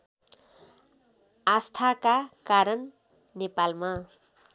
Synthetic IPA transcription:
ast̪ʰakakaɾʌnː | epalma

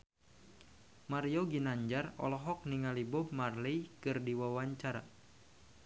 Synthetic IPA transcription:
maɾijoɡinaɲd͡ʒarɔ̰lɔɦɔk̚niŋalibʊbmarlejkɨrdiwawaɲt͡ʃaɾa̰

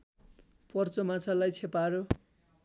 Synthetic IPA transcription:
pʌrt͡sʌmat͡sʰalajt͡sʰepaɾo

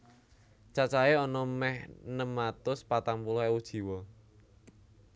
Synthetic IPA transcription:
t͡ʃat͡ʃaeɔnɔmɛhnəmat̪ʊspat̪aŋpulʊɦewud̥ʒ̥i̤wɔ

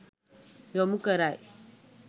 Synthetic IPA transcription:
jomukəɾaj

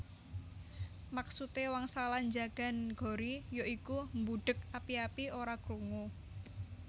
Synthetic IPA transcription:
maksut̪ewaŋsaland͡ʒaɡ̥a̤nɡ̥o̤ɾijoikumbuɖ̥ə̤kapiapioɾakɾuŋu

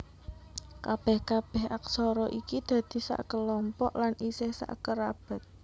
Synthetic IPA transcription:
kab̥ɛhkab̥ɛhʔaksɔɾɔʔikid̪̥ä̤d̪̥i̤sa̰ʔkəlɔmpɔʔlanʔisɪhsa̰ʔkəɾab̥a̤t̪̚

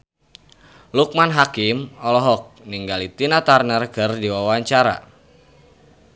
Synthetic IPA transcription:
luk̚manɦakimɔlɔɦɔk̚niŋɡalit̪inat̪arnərkərdiwawaɲt͡ʃaɾa̰

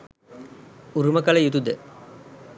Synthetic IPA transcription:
uɾuməkɐləjut̪ud̪ə

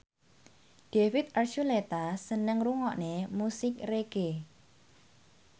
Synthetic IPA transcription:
ɖ̥efɪt̪̚art͡ʃulet̪asənəŋruŋɔʔnemusɪkreɡ̥e

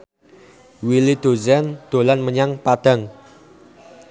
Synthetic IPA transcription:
wilid̪̥o̤zɛnd̪̥o̤lanməɲaŋpad̪̥a̤ŋ

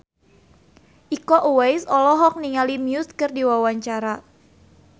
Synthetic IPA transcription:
ʔikɔʔuwɛjsɔlɔɦɔk̚niŋalimjuskɨrdiwawaɲt͡ʃaɾa

